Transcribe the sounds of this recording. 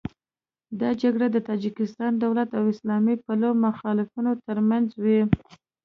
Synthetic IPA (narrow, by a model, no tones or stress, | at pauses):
d̪ɑd͡ʒaɡɽad̪ət̪ɑd͡ʒikɪst̪ɑnd̪awlat̪awɪslɑmipalomʊxɑlɪfunot̪əɾmanzwi